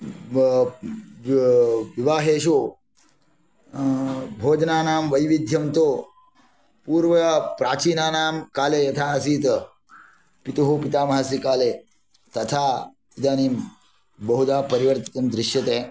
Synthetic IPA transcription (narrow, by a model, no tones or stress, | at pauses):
ʋiʋaːɦeːʃ̬oː | bʱoːd͡ʒnaːnaːmʋɐjʋid̪ʱjɐmt̪oː | puːɾʋɐpɾaːt͡ʃiːnaːnaːmkaːleːjɐt̪ʰaːɐsiːt̪ | pit̪ɐɦoːpit̪aːmɐɦaːs̬ikaːleː | t̪ɐt̪ʰaː | id̪aːniːm | bɐɦud̪aːpɐɾiʋɐɾt̪it̪ɐmd̪ɾɪʃjɐt̪eː